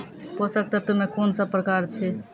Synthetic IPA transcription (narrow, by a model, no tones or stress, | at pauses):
posək̚t̪ət̪əmekonsəb̚pɾəkaɾt͡ʃʰi